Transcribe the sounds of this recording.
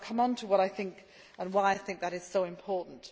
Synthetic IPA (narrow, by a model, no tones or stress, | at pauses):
kʰʌ̃mə̃ntʰəwʌɾaɪθɪ̃ŋk | ə̃nwaɪaɪθɪ̃ŋk̚ðɨɾɨz̥soʊɨ̃mpʰɔɹʔn̩t